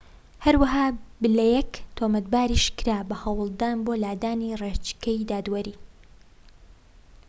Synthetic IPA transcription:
hɐɾwɐɦaːbɨlɛjɛkt̪ʰoːmɐt̪baːɾiːʃkɨɾaːbɐhɐwɨlˠd̪aːnboːlaːd̪aːniret͡ʃkɐjd̪aːd̪wɐɾiː

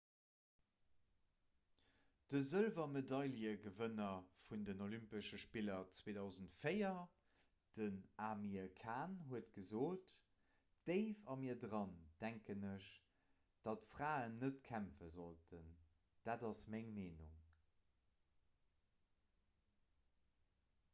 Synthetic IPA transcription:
d̥əzəlvɐmedɑɪljəɡəvənɐfundənolympəʃəʃpilɐt͡sweːdɑʊzəntfəɪɐ | d̥ənaːmiəkʰaːnɦuətɡ̥əzoːt | d̥əɪfɑmiːɐdʁɑnd̥æŋkənəʃ | d̥ɑtfʁaːənːətkʰæmfəzoltʰən | d̥aːdɑsmæŋmeːnṵŋ

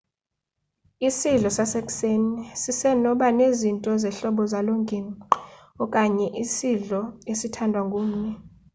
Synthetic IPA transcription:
isiɮɔsasek̬ʼsenisisɛnɔɓanezintʼɔzɛɬɔɓɔzaloŋɡʱi | ɔkʼaɲɛʔisiɮɔesitʰandʱwaŋɡʼuːm̩ɲɛ

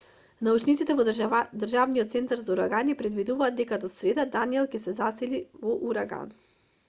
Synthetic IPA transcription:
naut͡ʃnit̪sit̪ɛvɔd̪rʒavniɔt̪t̪sɛnt̪aɾzauɾaɡanɛpɾɛd̪vid̪uvaːd̪ːɛkad̪ɔsɾɛd̪ad̪aniɛlˠkɛsɛzasɛlivɔʔuɾaɡa̰n

